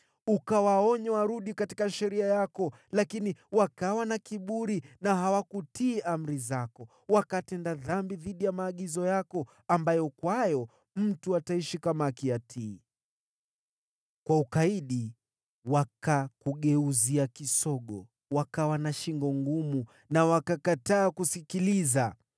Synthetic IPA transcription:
ukawaɔɲɛwaɾuɗikati̥kaʃɛɾiajakɔ | lakiniwakawanakiɓuɾinaɦawakutiːʔam̩ɾizakɔ | wakatɛndaðambiðiɗijamaːɠizɔjakɔ | ambajɔkwajɔ | m̩tuataiʃikamakiatʰiː | kwaukaiɗi | wakakuɠɛuziakisɔɠɔ | wakawanaʃiŋɡɔŋɡumu | nawakakataːkusikiliza

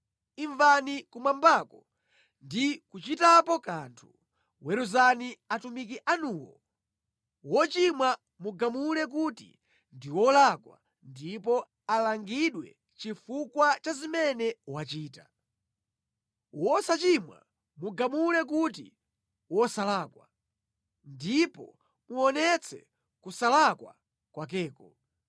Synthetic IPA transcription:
iɱvanikumambaːkɔ | ndikut͡ʃitapɔkantʰu̥ | wɛɾuzaniatumikiʔanuːwɔ̰ | wɔt͡ʃimwa | muɡamulɛk̬utḭ | ndiwɔlakwa̰ | ndipɔ | alaŋɡiɗwɛ̰ | t͡ʃifukwat͡ʃazimɛnɛuwat͡ʃiːta | wɔsat͡ʃimwa̰ | muɡamulɛk̬ut̬ḭ | wɔsalaːkwa̰ | ndipɔ̰ | muɔnɛt͡sʰɛ̰ | kusalakwa̰ | kwak̬ɛːkɔ

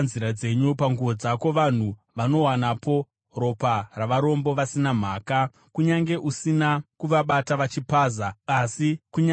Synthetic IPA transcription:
nziɾad͡ze̞ɲupaŋɡuʋo̞d͡zako̞ʋan̤uʋano̞wanapo̞ | ro̞paraʋaɾo̞mbo̞ʋasinam̤aːka | kuɲaŋɡe̞ʔusinakuʋaɓataʋat͡ʃipaːzaːsikuɲ

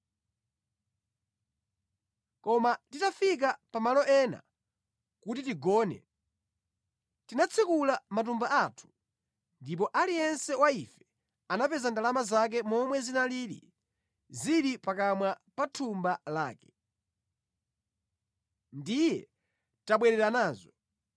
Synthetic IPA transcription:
kɔmatitafik̬apamalɔʔɛna̰ | kutitiɡɔːnɛ̰ | tinat͡sʰikulamat̬umbaʔatʰu̥ | ndip̬ɔʔalijɛnsɛwaifɛ̥ | anapɛzandalamazak̬ɛmɔmwɛzinaliːɾḭ | ziɾipakamwa | patʰumbalaːkɛ̥ | ndijɛ | taɓwɛɾɛɾanaːzɔ

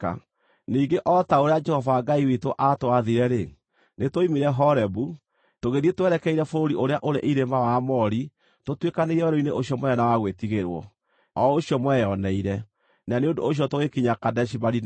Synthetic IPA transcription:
a̰ | niːɡeʔɔtaoɾead͡ʒɛhɔvaːɡaiwitoʔatoaðiɾɛɾe | netoimeɾɛɦɔɾɛbu | toɣeɾietwɛɾɛkɛiɾɛfoɾoɾiʔoɾeaʔoɾeʔiɾemawamɔɾi | totwekaneiɾɛɾoineʔoɕjɔmwɛɔnawaɣwetiɣeɾwɔ̰ | ɔoɕjɔmwɛjɔnɛiɾɛ | naneondoːɕ̬jɔtoɣekiɲakadɛʃ̬ibaɾin

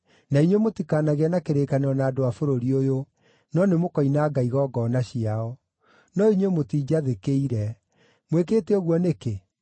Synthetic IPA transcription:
naiɲwemotikaːnaɣeanakeɾeːkaneɔnaːdoafoɾoɾiojo | nɔnemokɔinaːɡaiɣɔːɡɔnaɕiaɔ | nɔiɲwemotiːd͡ʑaðekeiɾɛ | mwekeːteoɣwɔneke

